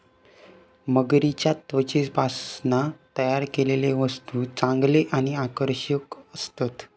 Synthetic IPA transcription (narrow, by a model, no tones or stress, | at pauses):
məɡɾit͡ɕjat̪ʋət͡ɕisbʱasnat̪əjaɾkeleleʋəst̪ut͡sãŋɡleʔañiakəɾɕəkəst̪at̪